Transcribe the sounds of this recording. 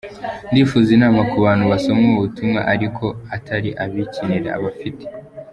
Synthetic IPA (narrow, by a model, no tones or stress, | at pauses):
ndiːfuːzinaːmɡakuβaːnhuβaso̞mŋoβutumŋa̰ʔaɾikʰo̞atʰaɾiʔaβiciniɾea̰βafite̥